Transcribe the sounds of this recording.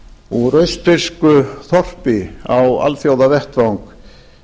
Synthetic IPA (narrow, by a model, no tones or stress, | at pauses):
urœɥst̪ɪɾskʏθɔr̥pɪawa̰lθjawðavɛht̪vawŋk